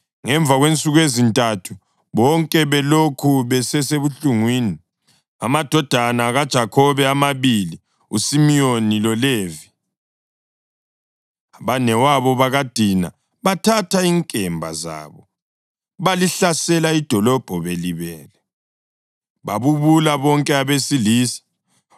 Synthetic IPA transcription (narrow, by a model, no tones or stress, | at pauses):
ŋɛɱb̪vʱaɣwent͡sʼuɣwezintʼatʰu | βɔŋkʼɛβɛlokʰuβɛsɛseβuɬuŋwiːni | amad̥ʱɔd̥ʱanaɣad̥ʒ̥ʱakʰɔβɛamaβili | ṵsimijonilɔleːvi | aβanɛwaβɔβaɣad̥ʱina̰ | βatʰatʰaiŋkʼɛmbʱa̰za̰ːβɔ | βaliɬasɛlaid̥ʱɔlɔb̥ʱɔβeliβɛːlɛ | βa̰βuβulaβɔŋkʼɛaβesiliːsi̥